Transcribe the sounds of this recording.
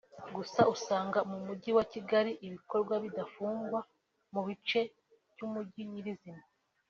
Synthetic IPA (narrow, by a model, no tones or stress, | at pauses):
ɡusausaːŋɡamumuɟiwaciɡaɾiʔiβiko̞ɾɡwaβidafuːŋɡwa | muβit͡ʃe̞ | vɟumuɟiɲiɾizima